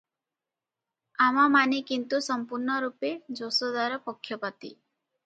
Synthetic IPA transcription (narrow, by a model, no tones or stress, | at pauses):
amamanikint̪usɔmpuɾnɔɾuped͡ʒosɔd̪aɾɔpɔkʰːjɔpat̪ḭ